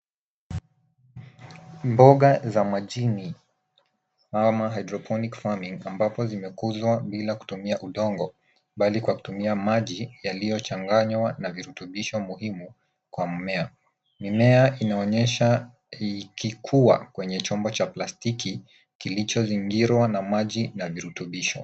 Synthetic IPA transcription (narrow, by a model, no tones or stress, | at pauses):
mbɔɠazamaʄini | amaɦajdɾɔpʰɔnikfamiŋambapɔzimɛkuzwaɓilaku̥tumiaʔuɗɔŋɡɔ | ɓalikwaku̥tumiamaʄijalijɔt͡ʃaŋɡaɲwanaviɾutuɓiʃɔmuhimu | kwam̩mɛa | mimɛainaɔɲɛʃa | ikikʰuwa̰kwɛɲɛt͡ʃɔmbɔt͡ʃaplastiki | kilit͡ʃɔziŋɡiɾwanamaʄinaviɾutuɓiʃɔ